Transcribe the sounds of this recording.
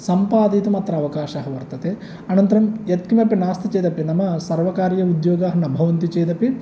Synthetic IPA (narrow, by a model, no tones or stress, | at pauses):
sɐmpaːd̪it̪umɐt̪ɾɐɐʋɐkaːʃaːɦɐʋɐɾt̪ɐt̪e | ɐnɐnt̪ɐɾɐmjɐt̪̚kimɐpːɐnaːst̪ʰɐt͡ʃeːt̪ɐpːjɐnɐmɐsɐɾʋɐkaːɾjɐud̪joːɡaːɦɐnɐbʱɐʋɐnt̪it͡ʃeːt̪ɐpːi